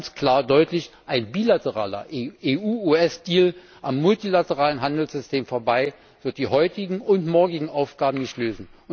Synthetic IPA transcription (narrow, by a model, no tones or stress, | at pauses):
nskʰl̥aːɐdɔʏtlɪçʔaɪnbiːlatəʁa̰ːlɐ̰ʔeːʔuːuɛsd̥iːl | ʔamːʊltilatəʁaːlənɦandl̩sz̥ʏstʰeːmfoːɐbaɪ | v̥ɪɐt̚d̥iːhɔʏtɪɡŋ̩ʊntmɔɐɡɪɡŋ̩ʔaʊfɡ̥aːbm̩nɪçtløːzn̩